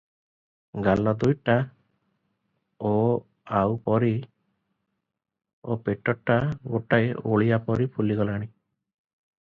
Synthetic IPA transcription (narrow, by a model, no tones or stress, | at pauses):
ɡalɔd̪ujʈa | o | awpɔɾi | opeʈɔʈːaɡoʈajoɭijapɔɾipʰuliɡɔlaɽ̃i